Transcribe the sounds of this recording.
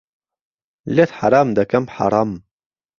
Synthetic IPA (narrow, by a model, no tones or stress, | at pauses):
let̪ħa̰ɾɑːmd̪ɐkɐmħa̰ɾˤɑːm